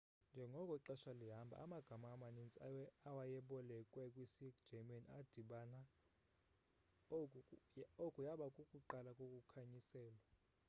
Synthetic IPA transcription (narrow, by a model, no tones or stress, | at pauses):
nd͡ʒʱɛŋɡʱɔkʼɔiǃɛʃaliɦambʱa̰amaɡ̥ʱamaːmanint͡sʼawajɛɓɔlɛkʼwɛkʼwisi̥d͡ʒ̥ʱɛmanad̥ʱiɓana | okʼujaɓakʼukʼuǃalakʼokʼukʰaɲisɛːlwa